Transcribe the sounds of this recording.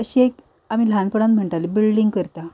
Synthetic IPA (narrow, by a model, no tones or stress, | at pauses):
əɕiek | amiːlʱanpəɽat̪m̤əɳʈalebilɖiŋɡkəɾt̪a